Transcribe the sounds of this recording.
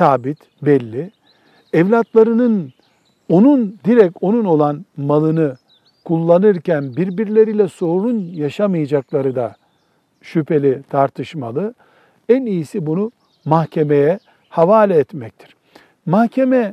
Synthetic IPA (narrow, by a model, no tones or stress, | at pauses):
saːbit̪ | bɛlʲːi | ɛvlʲat̪lˠaɾɯnɯn | o̞nund̪iɾɛco̞nuno̞lˠanmalˠɯnɯ | kʰulˠːanɯɾcænbiɾbiɾlʲe̞ɾilʲɛso̞ɾunjaʃamɯjad͡ʒaklˠaɾɯd̪a | ʃypʰe̞lʲit̪ʰaɾt̪ʰɯʃmalˠɯ | ænijisibunu | mahcʰe̞mejɛ | havaːlʲɛːt̪mɛc̚t̪ʰi̥ɾ̥ | mahcʰemɛ